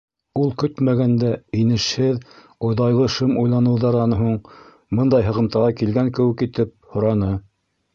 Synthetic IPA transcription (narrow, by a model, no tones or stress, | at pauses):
ulˠkɵt̪mæɡænd̪æinɘ̆ʃhɘð | ŏjðˠɑjlˠɤʃɤmujlˠɑnɤ̆wðɑɾɑnɤɦuɴ | mɤnd̪ɑjɦɤ̆ʁɤ̆mt̪ɑʁɑkilɡæŋkɘ̆wɘkit̪ɘp̚hŏɾɑnɤ